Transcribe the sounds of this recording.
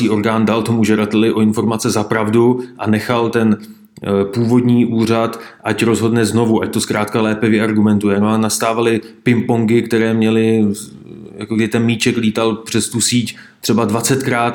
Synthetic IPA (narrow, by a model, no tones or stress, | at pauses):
iːʔo̞ɾɡaːndalt̪o̞muʒɛdat̪ɛlɪʔo̞ɪnfo̞ɾmat͡sɛzapɾavduʔanɛxalt̪ɛn | puːvo̞dɲiːʔuːr̝at̪ʔacɾo̞zɦo̞dnɛzno̞vuʔac̚t̪o̞skɾaːt̪kalɛːpɛvjɛʔaɾɡumɛnt̪ujɛnoanast̪aːvalɪpɪmpoŋɡɪkt̪ɛɾɛːmɲɛlɪ | jakoɡdɪɪt̪ɛnmiːt͡ʃɛkliːt̪alpr̥ɛst̪usiːc | t̪r̥ɛbadvat͡sɛt̪kɾaːt̪